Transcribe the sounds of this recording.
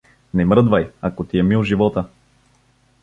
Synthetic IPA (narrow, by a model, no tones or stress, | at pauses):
nɛmɾɤd̪vajɐkot̪iɛmilˠʒivɔt̪ə